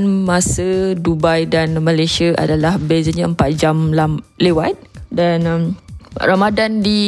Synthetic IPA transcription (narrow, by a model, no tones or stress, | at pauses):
nmãsədubajdanmə̃lajsiaʔa̰dalahbezəɲãəmpat̪̚d͡ʒamlamlewat̪̚danmramadandi